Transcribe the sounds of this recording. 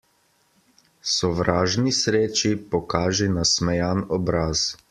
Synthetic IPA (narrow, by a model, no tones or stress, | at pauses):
sɔʋɾaːʒnisɾeːt͡ʃipɔkaːʒinasmɛjanɔbɾaːz